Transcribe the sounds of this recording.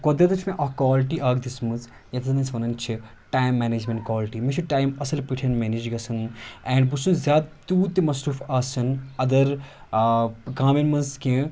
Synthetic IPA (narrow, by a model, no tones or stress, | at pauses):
kod̪ɾɐt̪ɐt͡ʃʰmẽʔɐɦkwaːlʈiʔaːɡd̪ismɐz | jɐt̪ɐnɐnsʰʋɐnɐnt͡ʃʰi | ʈaːjmːɛːneːd͡ʒmẽɳʈkwaːlʈimĩt͡ʃʰuʈaːjmɐsɐlpiʈʰɐnmeːniːd͡ʒɡɐsɐnɛːɳɖbusunzʲaːd̪̚t̪uːt̪imɐsɾuːfaːsɐnɐd̪ɐɾ | ɡãːminmɐnzkẽ